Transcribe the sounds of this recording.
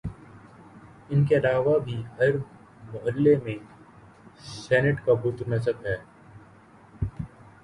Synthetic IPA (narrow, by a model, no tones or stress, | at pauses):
ɪnkeɐlaːʋabʱiɦɐɾ | mʊʔəllemẽ | sɛːnɪʈkabut̪nɐs̬əbɦɛː